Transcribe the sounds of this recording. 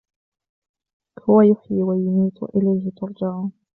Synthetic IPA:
hʊwajʊħjiːwajʊmiːt̪ˤʔɪ̰lajhɪt̪ʊɾˤd͡ʒɪʕːn

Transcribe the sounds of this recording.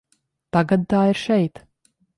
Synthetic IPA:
t̪aɡad̪̚t̪aːiɾʃɛjt̪

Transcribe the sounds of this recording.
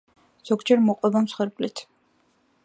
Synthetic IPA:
z̥ɔɡd͡ʒɛɾmɔqʼwɛbamsχwɛɾbʼlit̪ʰ

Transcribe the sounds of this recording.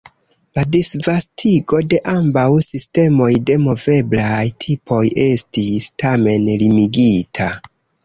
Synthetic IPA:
ladisvastʰiɡo̞de̞ʔambawsiste̞mo̞jde̞mo̞ve̞blajtʰipʰo̞je̞stistame̞nlimiɡitʰa

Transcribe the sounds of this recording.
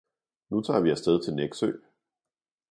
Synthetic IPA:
nut͡sʰɑ̰̈ːʋiæsd̥eð̞ˠt͡sʰe̝lneɡ̥sø̰ː

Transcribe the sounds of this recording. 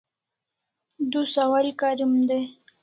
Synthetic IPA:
d̪usawalkaɾimd̪e

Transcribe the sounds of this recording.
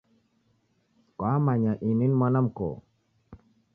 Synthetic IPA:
kɔamaɲaʔininmɔnamko̰

